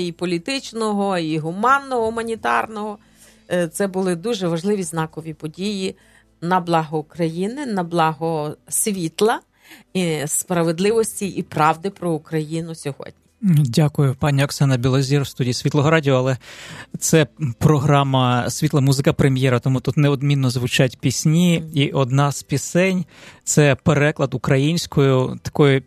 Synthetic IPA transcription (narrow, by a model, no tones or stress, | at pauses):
ipɔlʲit̪ɪt͡ʃnɔɦɔiɦʊmɑnːɔɦɔɦʊmɐnʲit̪ɑ̰rnɔɦɔ | t̪sɛbʊlˠɪd̪uʒɛʋɐʒlˠɪʋʲiznɑkɔʋʲipɔdʲiji | nɐblˠɑɦɔʊkɾɐjinɪnɐblˠɑɦɔsʲʋʲit̪lˠɐ | ispɾɐʋed̪lˠɪʋɔsʲtʲiipɾɑʋd̪ɪpɾɔukɾɐjinʊsʲɔɦɔ̰d̥̪̚ʲnʲidʲakʊjʊpɑnʲiɔksɑnɐbʲilˠɔzʲiɾwst̪udʲijisʲʋʲit̪lˠɔɦɔɾɑdʲiɔːlˠɛt̪sɛpɾɔɦɾɑmɐsʲʋʲit̪lˠɐmuzɪkɐpɾemʲjɛɾɐt̪ɔmut̪ut̪nɛɔd̪mʲinːɔzʋʊt͡ʃatʲpʲisʲnʲiiʔɔd̪nɑspʲisɛnʲt̪sɛpeɾɛklˠɐd̪ʊkɾɐjinʲsʲkɔjʊt̪ɐ̥kɔjʊ